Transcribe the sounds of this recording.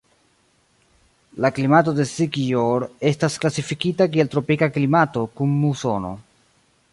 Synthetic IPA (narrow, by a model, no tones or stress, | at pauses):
laklimato̞de̞sikioɾe̞stasklasifikitak̬ie̞ltɾo̞pikaklimato̞kumːuso̞no̞̰